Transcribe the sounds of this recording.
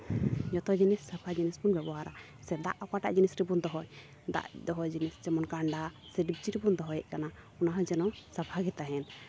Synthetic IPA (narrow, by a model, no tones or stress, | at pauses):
d͡ʒɔt̪ɔd͡ʒinisːapʰad͡ʒinispunbɛbɔɦaɾa | sɛd̪a̰ʔɔkaʈa̰ʔd͡ʒinisɾibund̪ɔɦɔj | d̪a̰ʔd̪ɔɦɔd͡ʒinisd͡ʒɛmɔnkaɳɖasɛɖip̚t͡ʃiɾibund̪ɔɦɔjɛʔkanaɔnaɦad͡ʒɛnɔsapʰaɡɛt̪aɦɛn